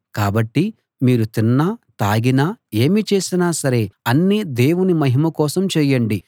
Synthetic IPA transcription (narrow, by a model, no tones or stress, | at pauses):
kaːbɐʈːi | miːɾut̪inːaːt̪aːɡinaːeːmit͡ʃe̞ːsinaːsɐɾe̞ːɐnːid̪e̞ːwunimɐɦimɐkɔːsɐmt͡ʃɛːjɐɳɖi